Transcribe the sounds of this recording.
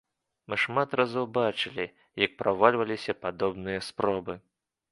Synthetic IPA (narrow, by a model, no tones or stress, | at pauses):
mɨʂmat̪razɔwbat͡ʂɨlʲi | jɐk̚pɾavalʲvɐlʲisʲɐpad̪ɔbnɨjɐspɾɔbɨ